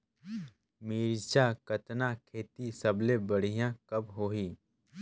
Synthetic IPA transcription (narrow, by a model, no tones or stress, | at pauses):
miːɾt͡ʃakɐt̪nakʰeːt̪isəblebəɽ̤ijãkɐbɦoːɦiː